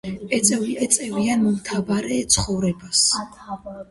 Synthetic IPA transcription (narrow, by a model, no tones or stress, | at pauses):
ɛt̪sʼɛviɛt̪sʼɛvianmɔmt̪ʰavaɾɛt̪sʰχɔvɾɛbas